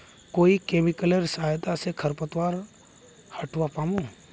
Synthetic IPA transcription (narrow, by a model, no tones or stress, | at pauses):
koːikeːmɪkəleɾsajt̪asekʰəɾpət̪waːɾ | həʈʰwapaːmu